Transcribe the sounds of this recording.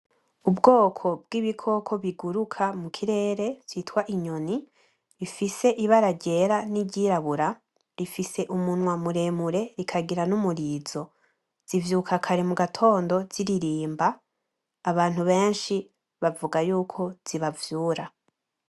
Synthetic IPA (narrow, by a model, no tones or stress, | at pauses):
ubɡo̞ːkʰo̞b̚ɡ̥iːβikʰo̞kʰo̞βiɡuɾukʰamukʰiɾe̞ːɾe̞v̥jiːtwaʔiɲoni | ɾifise̞ʔiβaɾaɟe̞ːɾaniɟiɾaβuɾa | ɾifise̞ʔumunwamuɾe̞ːmuɾe̞ɾikʰaɡiɾanumuɾiz̥o̞ | z̥ivjuːkʰakʰaɾemuɡatʰo̞ːndo̞z̥iɾiɾiːmbaː | βaːn̥huβe̞ːnʃi | βavuɡajuːkʰo̞z̥iβavjuːɾa